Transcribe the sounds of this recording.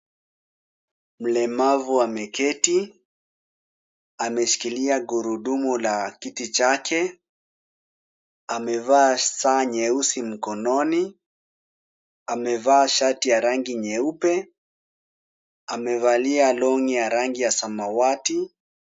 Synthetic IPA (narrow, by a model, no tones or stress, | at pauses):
m̩lɛmavuamɛkɛti | amɛʃi̥kiliaɡuɾuɗumulakitit͡ʃakʰɛ | amɛvaːsaɲɛusim̩kɔnɔni | amɛvaːʃatijaɾaŋɡiɲɛupɛ | amɛvalialɔŋijaɾaŋɡijasamawati